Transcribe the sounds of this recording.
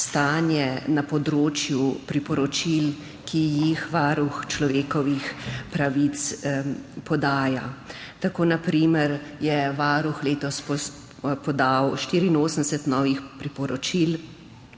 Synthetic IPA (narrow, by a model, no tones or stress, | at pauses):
st̪aːnjɛnapɔd̪ɾoːt͡ʃjupɾipɔɾɔt͡ʃil | kijixʋaːɾuxt͡ʃlɔʋeːkɔʋixpɾaʋit̪s | pɔd̪aːja | t̪akoːnapɾiməɾjɛʋaːɾuxleːt̪ɔspɔ | pɔd̪awʃt̪iːɾiːnoːsən̩d̪ɛsɛt̪nɔːʋixpɾipɔɾɔt͡ʃil